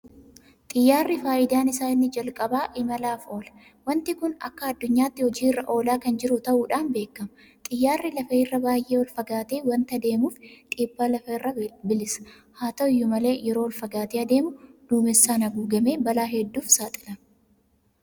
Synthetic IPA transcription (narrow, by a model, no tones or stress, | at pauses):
t̪ʼɪjːaːrːɪfaːʔɪd̪aːnɪsaːɪnːɪd͡ʒɐlkʼɐbaːʔɪmɐlaːfo̞ːlɐ̥ | wɐnt̪ɪkʊnɐ̰kːɐːd̪ːʊɲːaːt̪ːɪhɔd͡ʒiːrːɐʔo̞ːlaːkɐnd͡ʒɪɾʊt̪ɐʔuːᶑaːnbe̞ːkːɐmɐ | t̪ʼɪjːaːrːɪlɐfɐɪrːɐbaːjʔe̞ːwɐlfɐɡaːt̪eːwɐnt̪ɐd̪e̞ːmuːft̪ʼiːbːaːlɐfɐɪrːɐbɪlɪsɐ̥ | haːt̪ɐɪjːʊmɐle̞ːjɛɾo̞ːwɐlfɐɡaːt̪eːɐd̪e̞ːmʊd̪̥uːmɪsːaːnɐɡuːɡɐme̞ːbɐlaːɦɛd̪ːuːfsaːt̪ʼɪ̥lɐ